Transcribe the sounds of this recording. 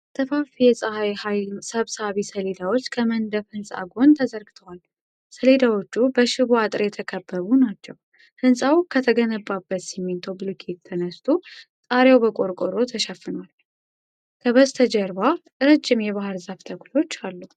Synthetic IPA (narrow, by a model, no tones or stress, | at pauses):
t̪ʰəfafijɛsʼəhajhajsəβsaβisəle̞d̪awo̞t͡ʃːkʰəmənd̪əfhɨnsʼa̰ɡo̞nt̪ʰəzəɾɡɨt̪ʰəwal | səle̞d̪awot͡ʃːubəʃɪβoat̪ʼɾjɛt̪ʰəkʰəbːəβunat͡ʃːɛw | hɨnsʼawkʰət̪ʰəɡənəbːabːət̪simːint̪ʰoblukʰet̪ʰːənəst̪ʰʼusʼaɾjawbəkʼo̞ɾkʼoɾo̞t̪ʰəʃɐfːɨnwal | kʰəβəst̪ʰəd͡ʒəɾba | ɨɾəd͡ʒːɪmjɛβahɨɾzaft̪ʰəklo̞t͡ʃːalːu